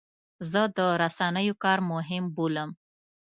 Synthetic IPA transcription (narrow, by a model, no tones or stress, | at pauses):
zəd̪əɾasanəjokɑɾmʊɦɪmboləm